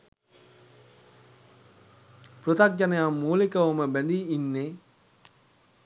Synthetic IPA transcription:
prot̪ak̚d͡ʒanəjamːuːlikəoməbænd̪iinːe

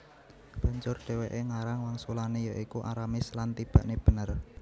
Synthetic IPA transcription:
b̥a̤ɲd͡ʒʊrɖ̥ɛ̤weʔeŋaɾaŋwaŋsulanejaʔikuʔa̰ɾamislant̪ib̥ä̤ʔneb̥ə̤nər

